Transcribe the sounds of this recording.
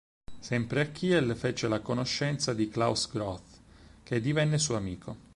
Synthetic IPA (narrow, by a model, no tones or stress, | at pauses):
sɛmpɾeakʰːiːɛlfet͡ʃelakonoʃːɛnt̪sad̪iklawsɡɾɔθked̪ivɛnːesuːamiːkʰo